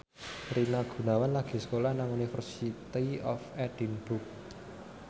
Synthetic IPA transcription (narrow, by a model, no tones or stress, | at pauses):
rinaɡ̥ṳnawanlaɡ̥i̤sə̥kolahnaŋunifərsit̪iɔfɛd̥inb̥uk̚